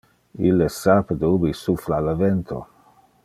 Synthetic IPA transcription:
ilːesapd̪obisuflalavɛnt̪ʰo̰

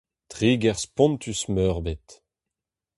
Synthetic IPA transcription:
t̪ʁiːɡɛʁspɔ̃nt̪ʰysmœʁbet̪

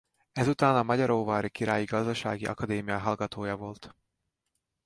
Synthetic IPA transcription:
ɛzut̪aːnɒmɒɟɒɾoːvaːɾikiɾaːjiɡɒzd̪ɒʃa̰ːɡiʔɒ̰kɒd̪eːmijɒɦɒlɡɒt̪oːjɒvo̞lt̪

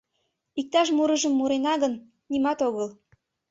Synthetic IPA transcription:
ik̚t̪ɑʃmuɾəʒəmːuɾenɑɣənː | imɑt̪oɣəl

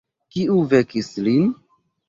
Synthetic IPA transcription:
kiuvekislin

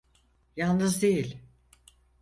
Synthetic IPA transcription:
jalˠnɯzd̪ejilʲ

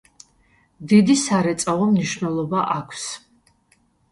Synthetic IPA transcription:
d̪id̪isaɾɛt̪sʼavɔmniʃvnɛlˠɔbaʔakʷʰs

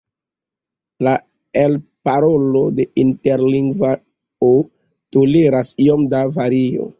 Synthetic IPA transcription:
la | elpaɾolo̞de̞ʔinte̞ɾliŋɡva | o | toleɾasio̞mdavaɾio̰

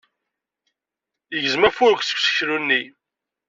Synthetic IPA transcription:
jəʝəzmæfʊɾkʷsə̥kʷsə̥çɾunːi

